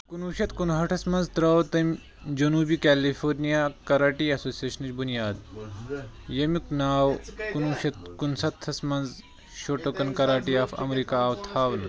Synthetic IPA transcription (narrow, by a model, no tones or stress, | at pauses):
kunuːʃɐt̪kunɦɐʈʰɐsmɐnzt̪ɾɐwt̪ɐm | d͡ʒɐnuːbiːkæːlifʰoːɾnijakɐɾaːʈiɐsoːsieːʃɐnɐt͡ʃbʱunijaːd̪ | jɐmiknaːwkunuːɕɐt̪̚kunsɐt̪ʰːɐsmɐnz | ʃoʈɐkɐnkɐɾaːʈiːɐfɐ̰mɾikaːwt̪ʰaːʋn